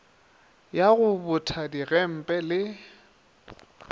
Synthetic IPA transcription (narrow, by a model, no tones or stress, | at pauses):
jaɣʊbʊtʰadiɣɛm̩pʼɛlɪ